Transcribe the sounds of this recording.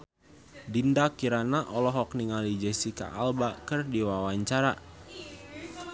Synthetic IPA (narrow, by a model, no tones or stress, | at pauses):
dindakiɾanaʔɔlɔɦɔk̚niŋalid͡ʒɛsika̰albakɨrdiwawaɲt͡ʃaɾa